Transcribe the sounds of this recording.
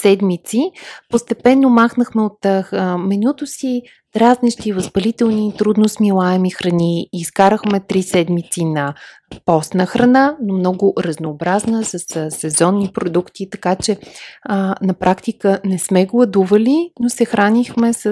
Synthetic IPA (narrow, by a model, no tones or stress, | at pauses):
sɛd̪mit̪sipost̪ɛpɛnːomaxnəxmɛot̪mɛnʲut̪ʊsi | d̪ɾazniʃt̪ivəzbɐlit̪ɛlˠnit̪ɾud̪nosmilˠaɛmixɾɐniːskaɾəxmɛt̪ɾisɛd̪mit̪sinɐ | pɔst̪nəxɾɐnanomnɔɡʊɾɐznoːbɾaznəsəssɛzɔnːipɾod̪ukt̪it̪ɐkat͡ʃɛ | nɐpɾʔakt̪ikənɛsmɛɡlˠəd̪uvəlinosɛxɾanʲixmɛsə